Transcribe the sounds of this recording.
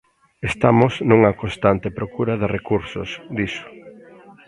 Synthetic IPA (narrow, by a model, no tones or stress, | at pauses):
est̪amʊsnuŋɐkõst̪ant̪epɾokuɾɐðɪrekuɾso̰sd̪isʊ̥